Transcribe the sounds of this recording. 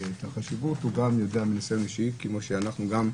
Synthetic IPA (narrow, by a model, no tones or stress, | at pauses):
et̪haχaʃivuthuɡamjo̞deaminasemiʃikemoʃeanaχnuɡam